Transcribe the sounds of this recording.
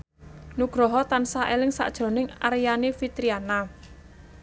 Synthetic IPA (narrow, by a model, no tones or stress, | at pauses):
nuɡ̥ɾɔɦɔt̪ansaʔelɪŋsa̰ʔd̥ʒ̥ɔ̤nɪŋa̰ɾijanefit̪ɾiana